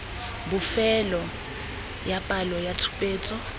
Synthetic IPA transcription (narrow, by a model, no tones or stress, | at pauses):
bufɛlɔ | japʼalɔjatʰu̥pʼeːt͡sʰʼɔ